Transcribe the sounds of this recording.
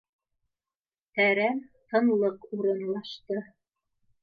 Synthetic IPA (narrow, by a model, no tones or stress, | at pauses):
t̪æɾæmt̪ɤ̆nlˠɤquɾɤ̆nlˠɑʃt̪ɤ